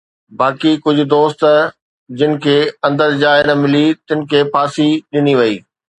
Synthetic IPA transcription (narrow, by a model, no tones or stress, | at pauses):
baːkikʊd͡ʑʱʊ̆d̪oːst̪ | d͡ʑɪnɪ̆kʰeːɐ̃nd̪əɾd͡ʑaːɪnəmɪlit̪ɪ̃nɪ̆kʰeːpʰaːsiɗɪniʋɐḭː